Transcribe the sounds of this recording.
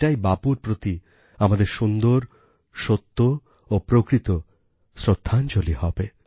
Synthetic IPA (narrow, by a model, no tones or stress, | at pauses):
ajbapuɾpɾot̪i | amad̪eɾʃund̪oɾ | ʃot̪ːo | opɾokɾit̪o | sɾod̪ʱːant͡ɕolihɔbe